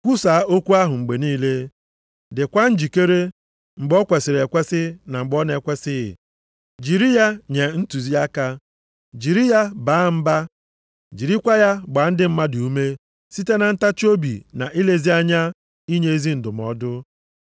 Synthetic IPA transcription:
kʷu˦sa˨˦o˦kʷu˦a˦ɦʊ˨ŋ͡m̩˨ɡ͡be˨niː˦le˦ | dɪ˨kʷa˦n̩˦d͡ʒi˨ke˦ɾe˦ | ŋ͡m̩˨ɡ͡bɔ˦kʷe˨sɪ˨ɾe˨kʷe˦sɪ˦na˨ŋ͡m̩˨ɡ͡bɔ˦ne˨kʷe˦sɪ˦ɪ̰˨ | d͡ʒi˨ɾi˦ja˦ɲe˨n̩˦tu˨zi˦a˦ka˦ | d͡ʒi˨ɾi˦ja˦ba˨˦m̩˦ba˦ | d͡ʒi˨ɾi˦kʷa˦ja˦ɡ͡ba˨˦n̩˦dɪ˦m̩˦ma˦du˨u˦me˦ | si˦te˦na˨n̩˦ta˦t͡ʃo˦bḭ˨na˨ʔi˦le˦zi˦a˦ɲa˦ | i˦ɲe˦e˦zi˦n̩˨dʊ˨m˨ɔ̰˨˦dʊ˦

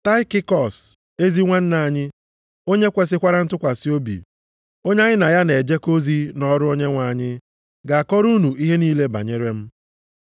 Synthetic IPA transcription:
ta˦ɪ˦kɪ˦kɔ˨s | e˦zi˦ŋʷa˦n̩˦na˨ɲɪ˦ | o˦ɲe˦kʷe˨sɪ˦kʷa˦ɾa˦n̩˦tʊ˦kʷa˨si˦o˦bḭ˨ | o˦ɲe˦a˦ɲɪ˦na˨ja˦ne˨d͡ʒe˦ko˦zi˦nɔ˦ɾʊ˦o˦ɲe˦ŋʷa˨ɲɪ˦ | ɡa˨a˨kɔ˦ɾu˦nu˨i˦ɦe˦niː˦le˦ba̰˨ɲe˦ɾe˦m̩˦

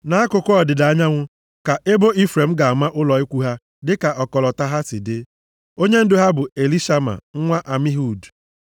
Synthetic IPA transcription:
na˨˦a˦kʊ˨kʊ˦ɔ˨dɪ˨da˨˦ɲa˦ŋʷʊ˦ | ka˨ʔe˦bo˦ʔi˦fɾe˨m̩˦ɡa˨a˨ma˦ʔʊ˦lɔ˨i˦kʷu˦ɦa˦ | dɪ˦ka˨ʔɔ˨kɔ˨lɔ˨ta˦ɦa˦sɪ˨dɪ˦ | o˦ɲe˦n̩˦dʊ˦ɦa˦bʊ˨e˨li˦ʃa˦ma̰˨ŋ̩˦ŋʷa˦ʔa˨mi˦ɦu˨d

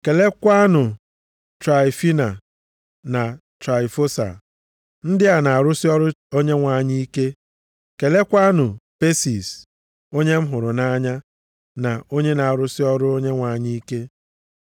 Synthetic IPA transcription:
ke˨le˦kʷa˦nʊ˨ | tɾa˨ɪ˨fi˦na˨ | na˨tɾa˨ɪ˨fo˦sa̰˨ | n̩˦dɪ˦a˨na˨a˨ɾʊ˦sɪ˦ɔ˦ɾʊ˦o˦ɲe˦ŋʷa˨ɲi˦i˦ke˦ | ke˨le˦kʷa˦nʊ˨pe˦si˨s | o˦ɲe˦m̩˦ɦʊ˨ɾʊ˨na˦ɲa˦ | na˨o˦ɲe˦na˨a˨ɾʊ˦sɪ˦ɔ˦ɾʊ˦o˦ɲe˦ŋʷa˨ɲi˦i˦ke˦

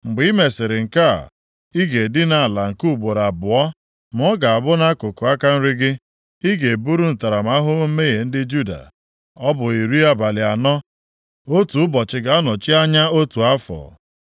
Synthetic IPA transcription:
ŋ͡m̩˨ɡ͡bi˦me˨sɪ˨ɾɪ˨ŋ̩˨ka˦˨ | i˦ɡe˨dɪ˦na˦˨la˨ŋ̩˨ku˦˨ɡ͡bo˨ɾa˨bʊ˨ɔ˦ | m̩˨ɔ˦ɡa˨a˨bʊ˦na˦kʊ˨kʊ˨a˦ka˦n̩˦ɾɪ˦ɡɪ˦ | i˦ɡe˨e˨bu˦ɾu˦n̩˨ta˨ɾa˨m˦a˦ɦʊ˦me˦je˨n̩˦dɪ˦d͡ʒu˦da̰˨ | ɔ˦bʊ˨i˨ɾi˦a˦ba˨lɪ˨a˨nɔ˦ | o˦tu˨ʊ˦bɔ˨t͡ʃɪ˨ɡa˦a˦nɔ˨t͡ʃi˦a˦ɲa˦o˦tu˨a˦fɔ̰˨

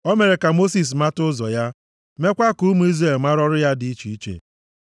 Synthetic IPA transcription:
ɔ˦me˨ɾe˨ka˨mo˦si˨s̬ma˦tʊ˦zɔ̰˨ja˦ | me˦kʷa˦ku˦mu˦i˦zɾe˦˨lma˦ɾɔ˦ɾʊ˦ja˦dɪ˨˦i˦t͡ʃi˨i˦t͡ʃḛ˨

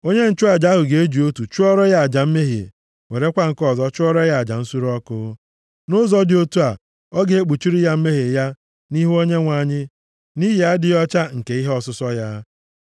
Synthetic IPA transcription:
o˦ɲe˦n̩˨˦t͡ʃʊ˦a˨d͡ʒa˦ɦʊ˨ɡe˨e˦d͡ʒi˨o˦tu˨t͡ʃu˦ɔ˦ɾɔ˦ja˦˨a˨d͡ʒa˨m̩˦me˦ɦḛ˨ | ŋʷe˨ɾe˦kʷa˦ŋ̩˨kɔ˦˨zɔ˦t͡ʃʊ˦ɔ˦ɾɔ˦ja˦˨a˨d͡ʒa˨n̩˦su˦ɾɔ˦kʊ˦ | nʊ˦zɔ˦dɪ˨o˦tu˦a˨ | ɔ˦ɡe˨e˦k͡pu˨t͡ʃi˦ɾi˦ja˦m̩˦me˦ɦe˨ja˦ | ni˦ɦu˦o˦ɲe˦ŋʷa˨ɲɪ˦ | ni˦ɦɪ˨a˦dɪ˨jɔ˦t͡ʃa˦ŋ̩˨ke˨i˦ɦe˦ɔ˦sʊ˦sɔ˦ja˦

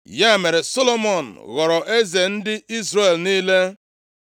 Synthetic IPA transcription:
ja˦˨me˨ɾe˨so˦lo˦mɔ˨n̩˨ɣɔ˨ɾɔ˨ʔe˦ze˨n̩˦dɪ˦i˦zre˦˨e˨lniː˦le˦

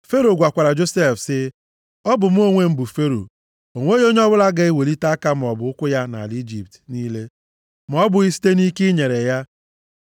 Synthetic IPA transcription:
fe˦ɾo˨ɡʷa˨kʷa˨ɾa˨d͡ʒo˦se˦˨fsɪ˦ | ɔ˦bʊ˨m̩˦o˦ŋʷe˦m̩˦bʊ˨fe˦ɾo̰˨ | o˨ŋʷ˦o˦jo˦ɲ˦ɔ˦bʊ˦la˦ɡa˦e˦we˨li˦ta˦ka˦m̩˨ɔ˨bʊ˨ʊ˦kʷʊ˦ja˦na̰˨li˦d͡ʒi˨p̚tniː˦le˦ | m˨ɔ˦bʊ˨i˦si̥˦te˦ni˦ki˦ɲe˨ɾe˨ja˦

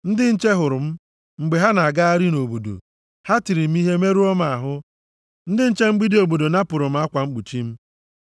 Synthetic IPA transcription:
n̩˦dɪ˦n̩˦t͡ʃe˦ɦʊ˨ɾʊ˨m̩˦ | ŋ͡m̩˨ɡ͡be˨ɦa˦na˨a˨ɡa˦a˦ɾi˦no˨bo˨do̰˨ | ha˦ti˨ɾi˨m̩˦i˦ɦe˦me˦ɾu˦ɔ˦ma˨a˨ɦʊ˦ | n̩˦dɪ˦n̩˦t͡ʃe˦ŋ͡m̩˦ɡ͡bi˦di˦o˨bo˨do˨na˦pʊ˨ɾʊ˨m̩˦a˦kʷa˨ŋ͡m̩˦k͡pu˨t͡ʃi˦m̩˦

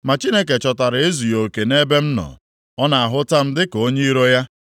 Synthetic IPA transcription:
ma˨t͡ʃi˦ne˦ke˨t͡ʃɔ˨ta˨ɾe˦zu˨jo˨ke˨ne˦be˦m̩˦nɔ̰˨ | ɔ˦na˨a˨ɦʊ˦ta˦m̩˦dɪ˦ko˦ɲe˦i˦ɾo˦ja˦

